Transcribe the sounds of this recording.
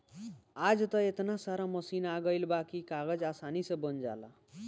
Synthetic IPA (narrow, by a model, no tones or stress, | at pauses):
ad͡zt̪ʌet̪nasaɾamʌsinaɡʌjlbakikaɡʌd͡zasanisʌbʌnd͡za̰la̰